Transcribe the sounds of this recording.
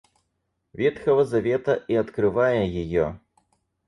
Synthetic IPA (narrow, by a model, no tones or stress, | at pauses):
vʲɛt̪xɐvɐzavʲɛt̪ɐiɐt̪kɾɨvajɛjijɔ̰